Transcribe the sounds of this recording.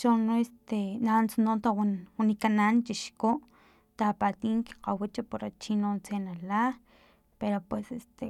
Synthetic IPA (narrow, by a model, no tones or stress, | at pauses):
t͡ʃonoest̪enant͡sanont̪awwunikanant͡ʃiʃkoʔ | t̪apat̪iːŋki̥qawit͡ʃapoɾat͡ʃinont͡senala | peɾopwesest̪e